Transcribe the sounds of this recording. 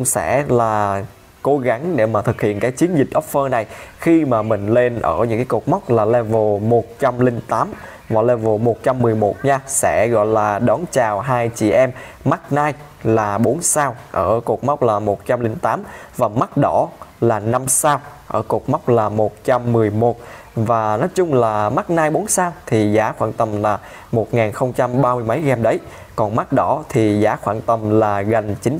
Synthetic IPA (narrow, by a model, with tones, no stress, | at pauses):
ʊ˧ŋ͡msɛ̰˧˥laː˨˩ | ko˨˦ɣa˨˦ŋɗe˧˩maː˨˩t̪ʰɨ˨˩k̚hḭ˧˨ənkaː˨˦jt͡ɕi˨˦ənzi˨˩k̟̚ʔɔ˦˥p̚fəː˧na˨˩jxi˧maː˨˩mï˨˩ŋ̟le˧nʔəː˧˩ɲɨ̰˧˥ŋkaː˨˦ko˨˩k̚ma˦˥k͡p̚laː˨˩lɛ˧vo˨˩mo˨˩t̚t͡ɕa˧mlï˧ŋ̟t̪aː˨˦m | vaː˨˩lɛ˧vo˨˩mo˨˩t̚t͡ɕa˧mːɨ˨˩əjmo˨˩t̚ɲaː˧sɛ̰˧˥ɣɔ̰˧˨jlaː˨˩ɗɔ˨˦nt͡ɕaː˨˩wɦaː˧jt͡ɕḭ˧˨ʔɛ˧mːa˦˥t̚naː˧j | laː˨˩ɓo˨˦nsaː˧wʔəː˧˩ku˨˩ək̚ma˦˥wk͡p̚laː˨˩mo˨˩t̚t͡ɕa˧mlï˧ŋt̪aː˨˦mvaː˨˩ma˦˥t̚ɗɔ˧˥laː˨˩na˧msaː˧wʔəː˧˩ku˨˩ək̚ma˦˥k͡p̚laː˨˩mo˨˩t̚t͡ɕa˧mːɨ˨˩əjmo˨˩t̚ | vaː˨˩nɔ˨˦jt͡ɕʊ˧ŋ͡mlaː˨˩ma˦˥k̚naː˧jɓo˨˦nsaː˧wt̪ʰi˨˩zaː˨˦xwaː˧˩nt̪ə˨˩mlaː˨˩ | mo˨˩t̚ŋaː˨˩nxə˧wŋ͡mt͡ɕa˧mɓaː˧mɨ˧əjmə˨˦jɣɛ˧mɗə˨˦j | kɔ˨˩nma˦˥k̚ɗɔ˧˥t̪ʰi˨˩zaː˨˦xwaː˧˨nt̪ə˨˩mlaː˨˩ɣa˨˩jŋ̟t͡ɕï˨˦ŋ